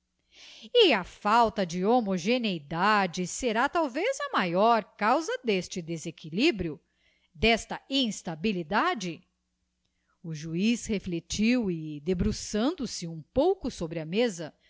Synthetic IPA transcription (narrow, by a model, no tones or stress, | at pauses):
iɐfawt̪ɐd͡ʒɪomoʒenejd̪ad͡ʒɪseɾat̪awvezɐmajɔɾkawzɐd̪est͡ʃɪd̪ezekilibɾjʊ | d̪ɛst̪ɐĩst̪abilid̪ad͡ʒɪ | uʒuisheflet͡ʃiwɪd̪ebɾusɐ̃nd̪ʊsɪũpowkʊsobɾɪɐmezɐ